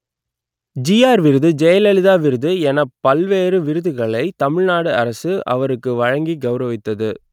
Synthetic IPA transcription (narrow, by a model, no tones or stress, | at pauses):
d͡ʒijaːɾʋɪɾɯðɯd͡ʒɛjɐlɛlɪðaːʋɪɾɯðɯɛnɐpɐlʋeːɾɯʋɪɾɯðɯɣɐɭɐɪt̪ɐmɪɻnaːɽɯɐɾɐsɯɐ̰ʋɐɾɯkːɯʋɐɻɐŋɡiɡɐʊɾɐʋɪt̪ːɐðɯ